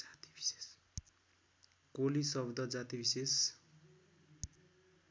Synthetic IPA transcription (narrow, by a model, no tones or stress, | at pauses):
at̪i̥b̥i̥se̥s | kolisʌbd̪ʱʌd͡zat̪ibises